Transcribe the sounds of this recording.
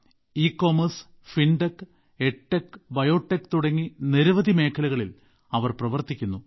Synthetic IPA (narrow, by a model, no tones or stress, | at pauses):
iːkːo̞ːmɐrs | fiɳɖɐkː | eʈːekbɐjo̞ːʈːekːt̪uɽɐŋːiniɾuʋɐðime̞ːkʰːɐlɐɣɐɭil | ɐʋɐrprɐʋɐrt̪ikʲːunːu